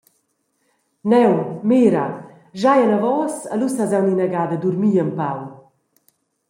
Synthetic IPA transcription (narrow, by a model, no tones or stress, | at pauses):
nɛwmeːɾa̰ | ʒajanavɔːsalusazawninaɡaːd̪əd̪uɾmiːəmpaw